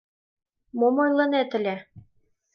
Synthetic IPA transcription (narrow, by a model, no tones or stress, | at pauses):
momojlˠɤ̆næt̪ɘ̆læ